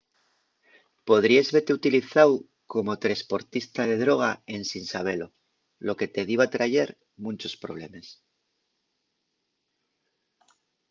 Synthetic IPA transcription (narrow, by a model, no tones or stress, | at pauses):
po̞ð̞ɾiezβe̞t̪e̞ut̪iliθaw | ko̞mo̞t̪ɾe̞spo̞ɾt̪ist̪aðe̞ðɾo̞ɣ̞ae̞nsinsaβ̞e̞lo̞ | lo̞ke̞t̪e̞ð̞iβat̪ɾaʝeɾ | mũnt͡ʃo̞spɾo̞β̞le̞̰mes